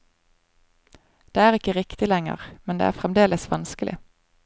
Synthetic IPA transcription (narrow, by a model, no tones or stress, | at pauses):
d̪̥eːæːʁɪkəʁɪkt̪ɪlɛŋə̰ʁmɛnd̪ḛːæːfʁɛmd̪eːləsʋɑnskəlʔɪ̰